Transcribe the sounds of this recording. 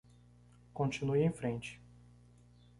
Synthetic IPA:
kõnt͡ʃĩnujẽj̃fɾẽnt͡ʃɪ̥

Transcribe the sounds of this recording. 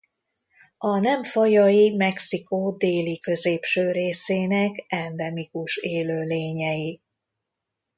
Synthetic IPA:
ɒnɛɱfɒjɒjimɛksikoːd̪eːlikø̞zeːpʃøːɾeːseːnɛkɛnd̪ɛmikuʃeːløːleːɲɛji

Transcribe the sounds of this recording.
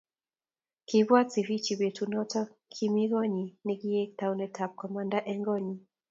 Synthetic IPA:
kiβwat͡sivit͡ʃiβɛtunɔtɔkʰimiɣɔɲiniɡiɛk̚tawnɛtʰap̚kɔmandaʔɛŋɡɔɲi

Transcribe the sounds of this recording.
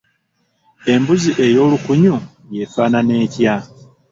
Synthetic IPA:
e̞mbuziʔe̞jo̞ːlukuɲu | je̞faːnane̞ːca

